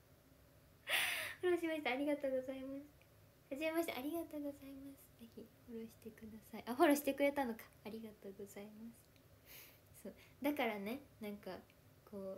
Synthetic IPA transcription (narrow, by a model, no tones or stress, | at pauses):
hoɾo̞ɕimaɕi̥t̪aːɾʲiɡat̪o̞ːɡo̞zaimasɨ̥ | haʑimemaɕi̥t̪a̰ʔːɾʲiɡat̪o̞ːɡo̞zaimasɨ̥ze̞çʲihoɾo̞ɕi̥t̪e̞kɯ̟d̪asaiʔaɦoɾo̞ɕi̥t̪e̞kɯ̟ɾe̞t̪ano̞kḁːɾʲiɡat̪o̞ːɡo̞z̥aimasɨ̥ | soːd̪akaɾane̞nãŋka | ko̞ː